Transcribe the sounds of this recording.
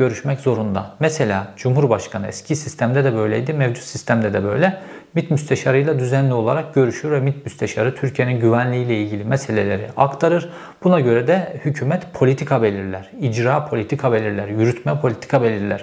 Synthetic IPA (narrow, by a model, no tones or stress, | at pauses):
ɟø̞ɾyʃmɛczo̞ɾund̪a̰mɛse̞lʲaːd͡ʒumɦuɾbaʃkʰanɯɛ̰scʰisist̪ʰæmd̪ɛd̪ɛbø̞jlʲɛjd̪imɛvd͡ʒut̪sist̪ʰæmd̪ɛd̪ɛbø̞jlʲɛ | mit̪myst̪ʰeʃaɾɯjlˠad̪yzænlʲio̞lˠa̰ɾak̚ɟø̞ɾyʃyɾvɛmit̪myst̪ʰeʃaɾɯt̪ʰyɾcʰije̞ninɟyvænlʲiːjlʲɛilʲɟʲilʲimɛse̞lʲelʲeɾḭʔakt̪ʰaɾɯɾ̥ | bunaɟø̞ɾɛd̪ɛhycʰyːmɛt̪pʰo̞lʲit̪ʰikʰabe̞lʲiɾlʲæɾ̥id͡ʒɾaːpʰolʲit̪ʰikʰabe̞lʲiɾlʲæɾjyɾyt̪ʰmɛpʰo̞lʲit̪ʰi̥kʰabe̞lʲiɾlʲæɾ̥